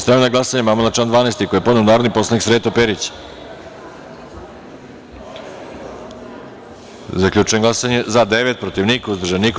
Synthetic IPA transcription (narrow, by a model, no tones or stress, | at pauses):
sp̪ɾemnaɡlasaɲemamolat͡ʃaːnd̪ʋaːnest̪ikojepod̪neunaːɾoniposlˠaniksɾeːt̪opeɾit͡ɕ | zakʎʲuːt͡ʃujeŋɡlˠasaɲezad̪eʋet̪̚pɾot̪iʋnikauzd̪r̩ʒenik